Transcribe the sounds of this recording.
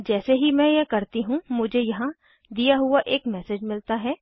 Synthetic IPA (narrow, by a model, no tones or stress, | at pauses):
d͡ʒɛːseɦimɛ̃jekɐɾt̪iɦũmʊd͡ʒʱejɐɦã | d̪ijaɦʊaʔeːkmɛːsed͡ʒmɪlt̪aɦɛː